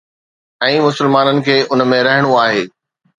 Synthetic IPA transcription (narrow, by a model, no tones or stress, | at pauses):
ɛ̃ːmʊsɪlmaːnənɪ̆kʰeːʔʊnmẽɾɐɦɪɽ̃uaːɦeː